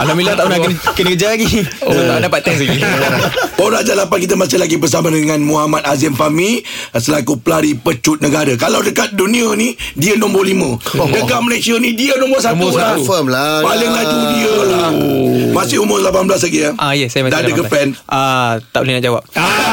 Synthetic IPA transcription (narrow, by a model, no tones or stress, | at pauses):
alamilat̪aʔunankənəkəd͡ʒajaɡiəadapat̪ːɛnsaɡi | poɾaʔd͡ʒalapankit̪əmasalaɡibərs̬amadəŋãnmuɦamat̪̚azəmfamisəlakuplaɾipət͡ʃut̪̚nəɡaɾəkalawdəkat̪̚dunĩənidiənɔ̃mbɔɾlimə̃dəkaʔməlesiənĩdiənɔ̃mbɔs̬atuafəmlapalɪŋlaidiə | masɪhumʊrlapanblas̬laɡiaajəsajamadaadəkəpɛnat̪a̰ʔulinaʔd͡ʒawap̚a